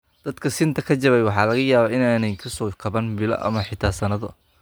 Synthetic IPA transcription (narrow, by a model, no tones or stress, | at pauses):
d̪̥ɐd̪kʰɐsɪnt̪ʰɐkʰɐt͡ʃɐβɛjwɑħɑːlɐɣɐjaːβaːɪnaːnɛjkʰɐsɔːkʰɐβɐnbɪlɐ̰ʔɐ̰mɐħɪt̪ʰaːsɐnɐðɔ